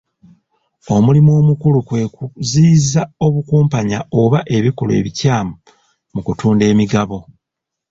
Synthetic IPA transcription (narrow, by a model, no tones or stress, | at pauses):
o̞mulimo̞ːmukulukwe̞ːkuziːzao̞βukuːmpaɲao̞βaʔe̞βikole̞̰ːβicaːmu | mukutuːnde̞ːmiɡaβo̞